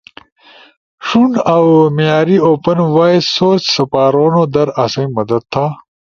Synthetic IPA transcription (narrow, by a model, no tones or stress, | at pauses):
ʂunawmijaːɾioːpɐnwaːisoːt͡ɕsɐpaːɾoːnod̪ɐɾɐsɐjmɐd̪ɐd̪̚t̪ʰːaː